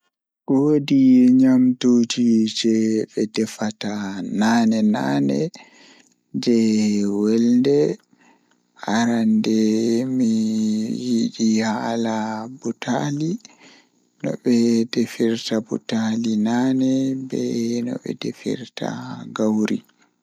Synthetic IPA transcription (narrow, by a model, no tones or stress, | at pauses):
ʔodiɛɲamtud͡ʒid͡ʒɛɓɛdɛfatananɛna̰ːnɛ̰ | d͡ʒɛwɛldɛ | haɾandɛmijiɗihalabutʰali | nɔ̰ɓɛdefiɾtabṵtalinanɛbɛ̰nɔ̰ɓɛ̰defḭɾtʰa̰ɡawɾḭ